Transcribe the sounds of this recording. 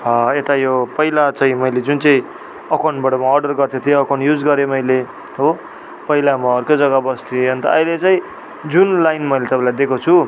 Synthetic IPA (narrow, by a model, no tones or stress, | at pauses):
et̪ajopʌilat͡saĩmʌjled͡zunt͡sʌĩ | ʌkaɳbaʈʌmaʌrɖʌrɡʌrt̪ʰjot̪ʰijoʌkaɳɖjud͡zɡʌɾjomʌjle | ɦo | pʌilamaʌrkod͡zʌɡabʌst̪ʰiʌnt̪ʌ̰ʌjlet͡saĩ | d͡zunlajnmʌjlet̪ʌpãlajd̪ekʰot͡sʰu